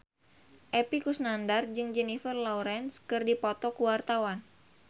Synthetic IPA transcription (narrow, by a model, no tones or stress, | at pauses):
ʔepikusnandard͡ʒɨŋd͡ʒɛnifərlɔuɾɛnskɨrdipɔt̪ɔkuwart̪awan